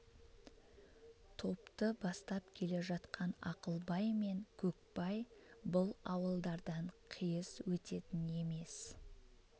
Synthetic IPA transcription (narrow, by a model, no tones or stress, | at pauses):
t̪ʰo̞pt̪əbɑst̪ɑpkʲʰe̞le̞ʒɑt̪qʰɑnɑqəlˠbɑjme̞ŋkʲʰɵk̚bɑjbʊlˠɑwəlˠd̪ɑɾd̪ɑɴqʰijəswɵt̪e̞t̪ɪne̞me̞s